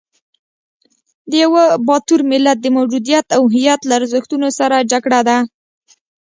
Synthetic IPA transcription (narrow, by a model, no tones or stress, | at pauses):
d̪əjawəbɑt̪uɾmɪlat̪̚d̪əmawd͡ʒud̪ijat̪awɦɪjat̪laːɾzəxt̪unosaɾad͡ʒaɡɽad̪a